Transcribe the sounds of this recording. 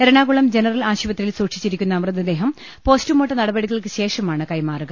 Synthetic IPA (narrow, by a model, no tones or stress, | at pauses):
eɾɐɳaːɣuɭɐmd͡ʑe̞nɐrɐlaːɕuʋɐt̪ːililsuːʈʂi̥t͡ɕːiɾikʲːunːɐmrɐd̪ɐd̪e̞ːɦɐm | po̞ːstumoʈːɐnɐɽɐbɐɽiɣɐɭkɨɕe̞ːʂɐmaːɳɨkɐjmaːruɡɐɭ